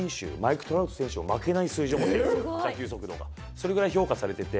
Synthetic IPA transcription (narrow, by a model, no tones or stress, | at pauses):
ɰ̃ɕɨ̰ːmaikɯ̟̥t̪o̞ɾa̟t̪osẽɕɨo̞̰make̞naisɨːʑiõmoek̪akʲɨːso̞kɯ̟d̪o̞̰ːɡa̰ | so̞ɾe̞ɡɯ̟ɾaiço̞ːkasaɾe̞t̪e̞t̪e̞